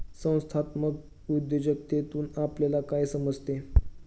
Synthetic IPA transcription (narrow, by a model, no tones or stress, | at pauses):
sə̃w̃st̪ʰat̪məɡ | ud̪jod͡ʑək̚t̪et̪uːnapljalakajsəməd͡zʱt̪e